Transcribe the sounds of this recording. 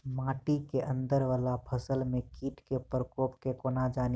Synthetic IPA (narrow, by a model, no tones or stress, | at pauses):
mãːʈikeʔə̃nd̪əɾʋaːlapʰəsəlmẽkiːʈkepəɾkoːpkekoːnad͡ʒaːn